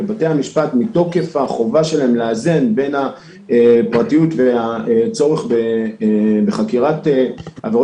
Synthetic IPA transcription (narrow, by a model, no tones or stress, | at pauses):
ebate̞jamiʃpatmito̞ke̞faχo̞vaʃe̞laemleazenbe̞na | epʁatijutveaet͡so̞ʁeχbe | beχakiʁateaveʁo